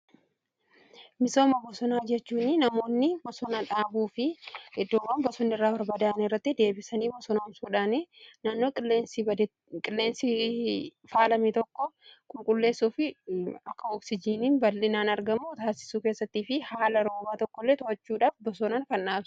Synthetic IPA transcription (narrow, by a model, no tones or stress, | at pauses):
mɪso̞ːmɐbɔsɔnaːd͡ʒɛt͡ʃːuːnːɪnɐmo̞ːnːɪbɔsɔnaᶑaːbuːfɪɪd̪ːoːbaːnbɔsɔnːɪrːaːbɐɾbɐd̪aːɐnɪrːɐt̪ːɪd̪e̞ːbɪsɐniːbɔsɔnɐʊmsuːᶑaːneːnaːnːo̞ːkʼɪlːeːnsd̪ | kʼɪlːe̞ːnsɪ | faːlɐmit̪ɔkːɔkʼʊŋkʼʊlːe̞ːsːuːfɪɐkːɐɔːksɪd͡ʒiːniːnbɐlːɪnaːnɐɾɡɐmːut̪aːsɪ̥suːke̞ːsːɐt̪ːiːfɪhaːlɐɾo̞ːbaːt̪ɔkːɔlːeːt̪ɔɐt͡ʃːuːᶑaːfbɔsɔnaːŋkɐnᶑaːbs